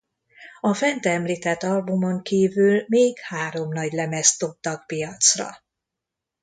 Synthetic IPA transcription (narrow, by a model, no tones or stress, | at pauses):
ɒfɛnt̪ɛɛmliːt̪ɛt̪ːɒlbumoŋkiːvylmeːɡhaːɾo̞mnɒɟlɛmɛst̪o̞b̚t̪ɒk̚pijɒt̪srɒ̰